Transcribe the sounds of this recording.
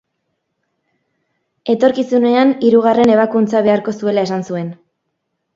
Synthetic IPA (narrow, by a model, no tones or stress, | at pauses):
e̞t̪o̞ɾkisune̞aniɾuɣ̞are̞ne̞β̞akunt͡saβ̞e̞aɾko̞sue̞lae̞sansue̞n